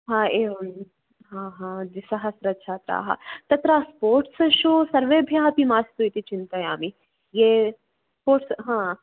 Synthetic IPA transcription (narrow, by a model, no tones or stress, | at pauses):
ɦãːeː | ɦãːɦãːd͡ʒ̪isɐɦɐsɾɐɐt̪ːt͡ʃʰaːt̪ɾa̰ːɦa̰t̪ɐt̪ɾaːspoːɾʈsʃoːsɐɾʋeːbʱjaːɦɐpimaːst̪uit̪it͡ʃint̪aja̰ːmi | jeː | spoːɾʈsɦãː